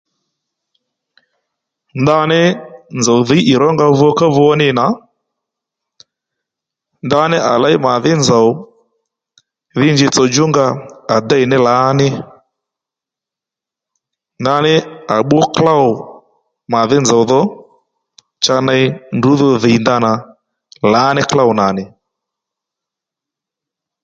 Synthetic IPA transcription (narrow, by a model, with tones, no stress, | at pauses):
nda˧nɪ˦nd͡zɔ˨ðɪ˨˦ʔɪ˨ɾɔ˦ŋɡa˧vu˧ɔ˧˦ka˦vu˧ɔ˦nɪ˦na˨ | nda˧nɪ˦ʔa˨la˦jma˨ðɪ˦nd͡za˨w | ðɪ˦ɲd͡ʒɪ˧t͡sɔ˧d͡ʒʊ˦ŋɡa˧a˨da˦i˨nɪ˦la˨˦nɪ˦ | nda˦nɪ˦a˨ɓɔ˦kla˦ʊ˨ | ma˨ðɪ˦nza˨u˨ðɔ˦ | t͡ʃa˧na˦i˦ndu˨˦ðɔ˦ðɪ˨i˨nda˦na˨ | la˨˦nɪ˦kla˦wna˨nɪ˨